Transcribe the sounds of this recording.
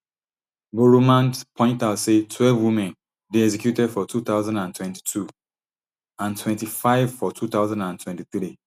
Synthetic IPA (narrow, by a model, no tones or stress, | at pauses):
buɹumãnpʰɔ̃ɪ̃ntalsetʰwɛlvwimɛ̃n | deɛsɛkjutɛdfɔtʰut̪aʊzãndãntwɛ̃nti̥tʰu | ãntʰwɛ̃ntifaɪv̥fɔtʰuθaʊzãndãntʰwɛ̃ntiθɾi